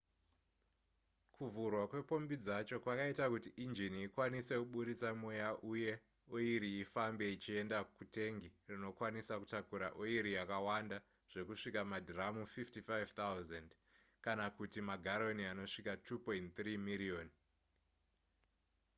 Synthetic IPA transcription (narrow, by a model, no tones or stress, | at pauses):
kʰuvurwakwe̞po̞mbid͡zat͡ʃo̞kwakaitakutiʔind͡ʒiniikwanise̞kuɓuɾit͡samojaʔuje̞ | oiɾiifambe̞it͡ʃie̞ndakute̞ŋɡirino̞kwanisakutakuɾa̰ʔoiɾijakawanda | ʐ̥e̞kuʂikamadiramufiftifajvt̪auzand | kanakutimaɡʱaɾo̞niano̞ʂikatʰupointt̪rimilion